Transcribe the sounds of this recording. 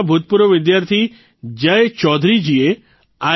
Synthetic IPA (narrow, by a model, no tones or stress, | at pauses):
bʱut̪̚puɾʋɔʋɪd̪jaɾt̪ʰi | d͡ʒəet͡ʃɔd̪ʱɾid͡ʒie | a